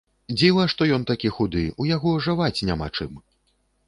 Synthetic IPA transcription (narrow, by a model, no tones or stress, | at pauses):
d͡zʲivɐʂt̪ɔjɔnt̪akʲixud̪ɨujaɣɔʐɨvat͡sʲnʲama̰t͡ʂɨm